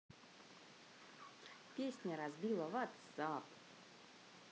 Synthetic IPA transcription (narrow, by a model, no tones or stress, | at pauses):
pʲesʲnʲəɾazbʲilˠəvat̪sap